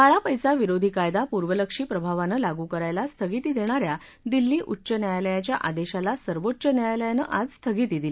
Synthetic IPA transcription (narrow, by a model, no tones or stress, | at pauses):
kaɭapəjsaʋiɾod̪ʱiːkajd̪apuɾʋələkʂiːpɾəbʱaʋanəlaɡukəɾajlast̪ʰəɡit̪iːd̪eɽ̃aɾja | d̪ilːiːʔutːɕənjajləjat͡ɕjaʔad̪eɕalasəɾʋotːɕənjajaləjanəʔad͡zst̪ʰəɡit̪id̪ile